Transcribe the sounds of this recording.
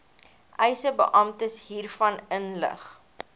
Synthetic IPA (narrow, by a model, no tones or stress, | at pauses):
ʔɛjsəbə̰ʔɐmtəsɦiːrfɐnənlə̰χ